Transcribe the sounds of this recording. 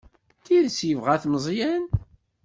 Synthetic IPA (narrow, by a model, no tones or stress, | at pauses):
t̪iðsjəvʁæθmzˤjæn